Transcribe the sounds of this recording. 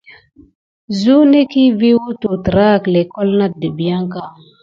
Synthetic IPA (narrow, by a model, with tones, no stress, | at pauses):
zu˦ne˦ki˦vi˦wu˦tu˨tə˨ɾa˦˨kle˨ko˦lna˦də˨bi˨ja˦ŋka˦